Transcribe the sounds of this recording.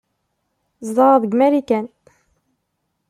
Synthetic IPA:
zˤðˤɑɾˤɑðˤəɡmæɾikæn

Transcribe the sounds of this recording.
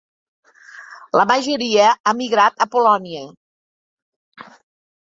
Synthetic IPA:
ləmaʒəɾiəamiɣɾat̪əpolɔniə

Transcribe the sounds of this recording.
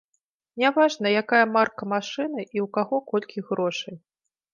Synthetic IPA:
nʲavaʐnɐjakajɐmarkɐmaʂɨnɨʔiwkaɣɔkɔlʲkʲiɣɾɔʂɐj

